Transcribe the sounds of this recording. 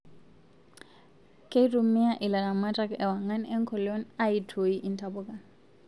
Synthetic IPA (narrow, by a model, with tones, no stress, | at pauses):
kʼe˦tumi˦a˦ʔi˨la˨ɾa˨ma˦ta˦kɛ˨wa˨ŋa˦nɛ˦ŋkʰɔ˨lo˦na˦i˨tʰo˨i˦ʔi˦ntʰabɔka˨n